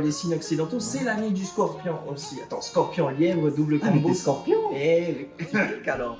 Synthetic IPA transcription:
lesinɔksid̪ɑ̃t̪osɛlaned̪yskɔʁpjɔ̃ʔosiat̪ɑ̰̃skɔʁpjɔ̃ljɛvəd̪ubləkɔ̃boskɔʁpjɔ̃ɛ | kalɔ

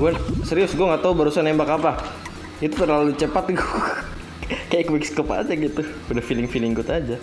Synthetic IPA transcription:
ɡuasəɾiʊsɡuaŋat̪aubaɾusanembakapa | it̪ut̪ərlalut͡ʃəpat̪̚ɡu | kajakwikskɔpa̰d͡ʒaɡit̪u | udahfilɪŋfilɪŋɡut̪ad͡ʒa

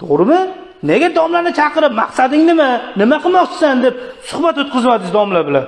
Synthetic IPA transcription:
t̪ʰoʁɾɨmɪ | neɡʲad̪ɒmlaɾnɪt͡ʃʰɑqɨɾɪpmaqsad̪ɪŋnɪmanɪmaqʰɨlˠmɒqt͡ʃʰɪ̥sand̪ep̚sʊhbat̪ot̪̚qʰɨzmad̪ɪzd̪ɒmlabɪlan

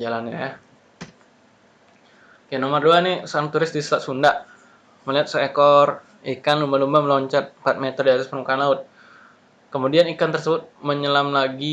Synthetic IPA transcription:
d͡ʒalanɲaja | kanomərduanɪsaɾaŋt̪uɾɪst̪disə̥saʔ̪sundaʔ | məliɦat̪̚səekɔr | ikanlumbalumbaməlɔɲt͡ʃat̪̚mpat̪̚met̪ərdiat̪aspərmukaːnlaʊt̪̚ | kəmudianikant̪ərsəbʊt̪̚məɲəlamlaɡi

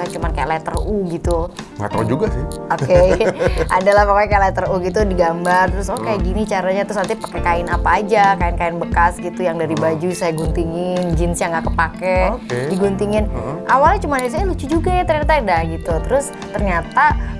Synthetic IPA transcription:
at͡ʃumankajalat̪əruɡit̪uŋa̰t̪a̰d͡ʒuɡasoke | ʔadalahpakakaalɛt̪əruɡit̪udiɡambart̪ɾʊsokajaʔɡinit͡ʃaɾaɲat̪ɾʊsant̪ipḁkɛkaɪnapaːd͡ʒakaɪnkaɪnbəkasɡit̪ujaŋdaɾibad͡ʒusajaɡunt̪iŋɪnd͡ʒɪnsjaŋɡaʔkəpakɛkdiɡunt̪iŋɪnʔawalɲat͡ʃumanɲas̬ajalut͡ʃud͡ʒuɡajat̪ərɲat̪adahɡit̪ut̪əɾʊs | t̪ərɲat̪a

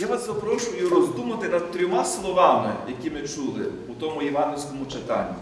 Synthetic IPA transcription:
jaʋaszɐpɾɔʃʊjʊɾɔzd̪umɐt̪ɪnɐd̪̚t̪ɾʲɔmaslˠɔʋɑmɪ̰jɐkʲimɪt͡ʃulˠɪ̰ | ut̪ɔmʊjiʋɑnɦʲɪlʲsʲkɔmʊt͡ʃɪt̪ɑ̰nʲːi

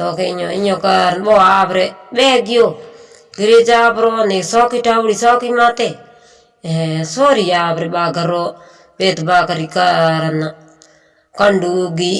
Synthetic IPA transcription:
sokeɲoiɲokaɾboabɾebɛɡijo | ɡiɾed͡ʒabɾonesokitabuɾisokimate | soɾijabɾebaɡaɾo | betbakaɾikaɾana | kanduɡi

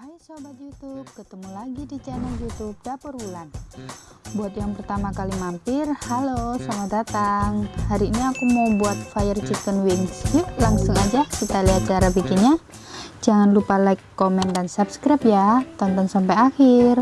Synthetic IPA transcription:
ajsobat̪jut̪up̚kət̪əmulaɡidit͡ʃɛnɛljut̪ub̚dapərulan | buat̪̚jaŋpərt̪amakalimampɪrhalosamadat̪aŋhaɾiːniakumɔbuat̪̚fajərt͡ʃik̪ənwinulaŋsʊŋad͡ʒakit̪aliat͡ʃaɾabikiɲa | d͡ʒaŋanlupalaikːomɛndansapskɾap̚jat̪ant̪aŋsampajaxir

